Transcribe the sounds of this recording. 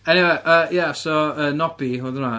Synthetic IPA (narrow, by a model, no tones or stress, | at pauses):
ɛniweʔəjasɔəːnɔb̥iɦoðəna